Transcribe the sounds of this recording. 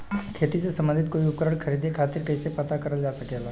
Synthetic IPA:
kʰeːt̪isesɐ̃mbə̃nd̪ʱɪt̪̚koːiʊp̚kəɾəɽ̃kʰəɾiːd̪ʱekʰaːt̪ɪɾkɐɪsepɐt̪akɐɾəld͡ʒaːsɐkeːlaː

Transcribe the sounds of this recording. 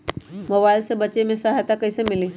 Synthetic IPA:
mobajlsəbət͡ʃemẽsəɦjt̪akəjsemili

